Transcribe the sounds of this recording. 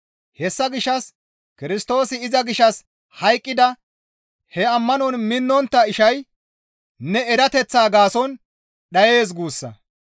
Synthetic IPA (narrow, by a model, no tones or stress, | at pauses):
hɛsːɐɡɪʃːɐs | kɪɾɪst̪o̞ːsɪɪzɐɡɪʃːɐs | hɐjkʼːɪd̪ɐ | hɛɐmːɐnɔnmɪnːɔnt̪ːɐɪʃɐj | nɛɛɾɐt̪ɛt͡sːaːɡaːsɔn | ɗɐje̞ːs̬ɡuːsːɐ̰